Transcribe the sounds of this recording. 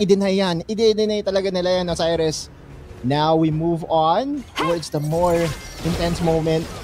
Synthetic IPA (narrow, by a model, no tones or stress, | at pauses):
ʔɪd̪ɪnajːanɪd̪ɪnɪnajt̪ɐlɐɡanɪlajanːɐsajɾɛs | nawwimuvɔnwɛɹsd̪ɐmɔɹʔɪ̃nt̪ɛ̃nsmowmɛ̃nt̪̚